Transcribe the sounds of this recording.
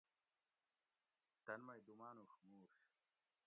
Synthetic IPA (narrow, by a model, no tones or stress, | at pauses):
t̪ɐnmɐjd̪umaːnuxmuːɾʂ